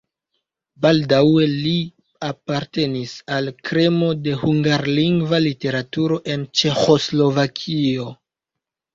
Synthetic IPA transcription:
baldawe̞li | apaɾte̞nisalkɾe̞mo̞de̞huŋɡaɾliŋɡvalite̞ɾatuɾo̞ʔe̞nt͡ʃe̞xo̞slo̞vakʰio̞

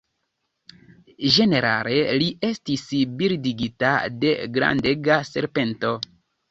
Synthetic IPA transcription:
ʒe̞ne̞ɾa̰le̞lie̞stisbiɾdiɡitade̞ɡɾa̰nde̞ɡase̞̰ɾpe̞nto̞

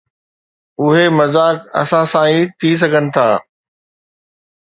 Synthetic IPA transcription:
ʊɦemɐzaːkɐ̰sãsãit̪ʰis̬ɐɡʱənɪ̆t̪ʰaː

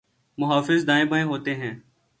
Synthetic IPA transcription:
mʊɦaːfɪzd̪aːẽːbʱəːẽːɦoːt̪eːɦɛ̃ː

